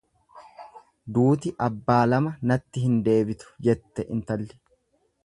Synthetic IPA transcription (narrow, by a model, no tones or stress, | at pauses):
d̪uːt̪ɪʔɐbːaːlɐmɐnɐt̪ːɪɦɪnd̪e̞ːbɪt̪ʊ̥d͡ʒɛt̪ːɛʔɪnt̪ɐlːɪ̥